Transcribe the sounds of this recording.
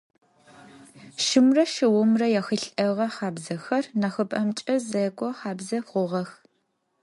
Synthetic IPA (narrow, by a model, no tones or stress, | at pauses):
ʃɨmrɐʃɨwʊmrɐjaxɨɬʼɐʁɐχɑːbzɐxɐrnɐxɨbʼɐmt͡ʃʼɐzɐɡʷʼɔχɑːbzɐχʷʊʁɐx